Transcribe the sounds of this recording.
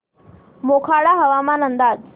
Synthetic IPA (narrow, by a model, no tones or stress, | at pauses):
moːkʰaːɽaːɦɐʋaːmãːnə̃nd̪aːz